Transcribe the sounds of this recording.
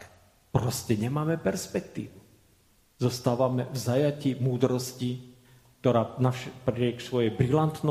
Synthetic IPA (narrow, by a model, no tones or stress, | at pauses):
pɾɔscɛɲɛmaːmɛpɛɾspɛkt̪ḭːʋu | zɔst̪aːʋamɛvzajaciːmuːd̪ɾɔsci | k̚t̪ɔɾaːnafʃpɾɪɪɛksʋɔjɛjbɾilant̪nɔ